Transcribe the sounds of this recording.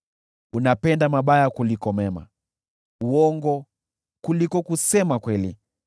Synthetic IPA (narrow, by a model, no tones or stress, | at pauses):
unapɛndamaɓajakulikɔmɛma̰ | uɔŋɡɔ | kulikɔkusɛmakwɛlḭ